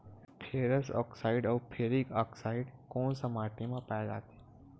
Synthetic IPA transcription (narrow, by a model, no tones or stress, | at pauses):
pʰeːɾəsɔ̰ksaiɖɔʋpʰeɾikɔksaiɖkoːɳsəmaʈimãpajd͡ʒa̰t̪e̥